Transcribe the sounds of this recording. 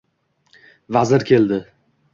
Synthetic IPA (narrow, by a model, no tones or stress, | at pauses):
vazɪɾkʲʰe̞ld̪ɪ